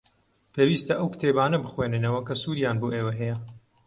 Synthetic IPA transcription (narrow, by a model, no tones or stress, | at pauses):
pʰeːwiːst̪ɐʔɐwkɨ̥t̪ʰeːbaːnɐbɨxweːnɨnɐwɐkɐsuːɾjaːnboːʔeːwɐɦɛjɛ